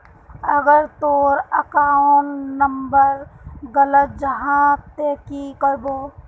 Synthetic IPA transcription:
əɡəɾt̪oːɾəkaːʊnnəmbəɾɡələt̪̚d͡ʒəɦãt̪ekikəɾboː

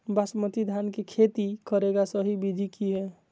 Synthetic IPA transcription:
basmət̪id̪ʱankekʰet̪ikəɾeɡasəɦibid̪ʱikiɦɛ

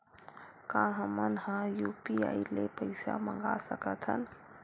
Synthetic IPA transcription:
kãːɦəmənhãjuːpia̰ːilepəɪsa̰mə̃ŋɡasəkət̪ʰɦə̰n

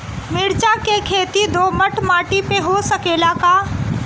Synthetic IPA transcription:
mɪɽt͡ʃakekʰeːt̪id̪ʱoːməʈmaːʈipeɦosəkeːlakaː

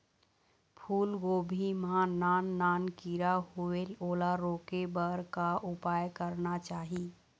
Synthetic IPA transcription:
pʰuːlɡobʱimãnanːankiɾahueloːlaɾokebəɾkaʔupajkəɾnat͡ʃaːɦi

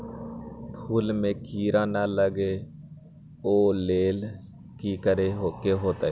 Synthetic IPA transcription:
pʰuːlmẽːkiːɾãːnələɡeː | oːleːl | kiːkəɾeːokeɦoːt̪a

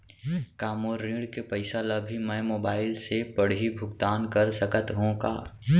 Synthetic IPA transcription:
kaːmoːɾːĩːɽkepəɪsalɐbʱimɛ̃moːbaːɪlsepəɽɦibʱʊɡt̪aːnkɐɾsəkət̪ɦõka̰ː

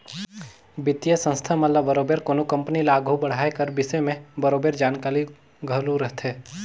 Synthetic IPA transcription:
bɪt̪jəsə̃nst̪ʰamɐlːabəɾoːbeːɾkoːnokɐ̃mpnilaːɡʱobɐɽ̤aːekɐɾbɪsemẽbəɾoːbeɾd͡ʒaːnkaːɾi | ɡʱəluɾəɦt̪ʰɦeː

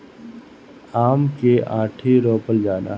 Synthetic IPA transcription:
aːmkeʔaːʈʰiɾoːpəld͡ʒaːna̰

